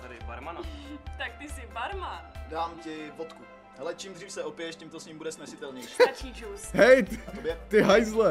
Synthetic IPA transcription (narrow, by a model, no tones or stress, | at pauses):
t̪adɪ̰ba̰ɾmanat̪ak̚t̪ɪsɪbaɾmadaːmcɪfot̪ku | ɦɛlɛt͡ʃiːmd̪riːfsɛʔopjjɛʃcimt̪osɲiːmbudɛsnɛsɪt̪ɛlɲɛjʃat͡ʃiʒusɦɛjt̪at̪objɛt̪ɪɦajzlɛ